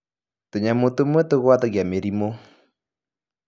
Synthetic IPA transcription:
toɲamotumetoɣwatoɣjameɾimo

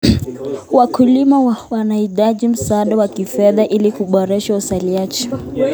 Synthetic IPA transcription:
wakulimawanaiɗaʄim̩saːɗawakifɛðaʔilikuɓɔɾɛʃausaliat͡ʃɛ̥

